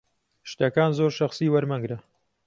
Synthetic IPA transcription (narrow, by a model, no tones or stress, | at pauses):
ʃt̪ɐkaːnzoːɾʃɐχsiːwɐɾmɐŋɡɾɐ